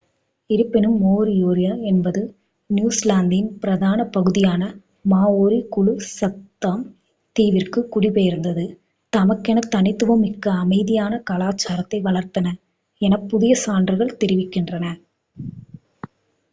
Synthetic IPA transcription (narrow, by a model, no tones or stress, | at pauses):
ɪɾɯpːɪnɯmːoːɾɪjoːɾɪjaɛnbɐðɯ | njuːslaːnd̪ɪɪnpɪɾɐðaːnɐpɐɣɯðɪjaːnɐ | maːoːɾikʊɭusɐt̪ːaːm | t̪iːʋɪrkɯkːʊɽɪpeːjɪɾɯnd̪ɐðɯ | t̪ɐmɐkːɛnɐt̪ːɐnɪt̪ːɯʋɐmɪkːɐːmɐɪðɪjaːnɐkɐlaːt͡ʃːaːɾɐt̪ːɐɪʋɐɭɐɾt̪ɐnɐ | ɛnɐpːʊðɪjɐsaːndrɯɣɐɭt̪ɛɾɪʋɪkːɪndrɐnɐ